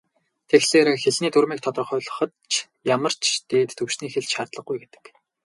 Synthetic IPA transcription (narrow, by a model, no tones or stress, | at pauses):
t̪ʰexseːɾxeɮniːt̪urmiːk̚t̪ʰɔt̪rɞ̆χʊːɮə̆χɞ̆t̪t͡ɕʰ | jamə̆r̥t͡ɕʰt̪eːt̪ːʰɵwʃniːxeɮʃart̪ɮə̆χ̚ɡujɡet̪ɘ̥̆k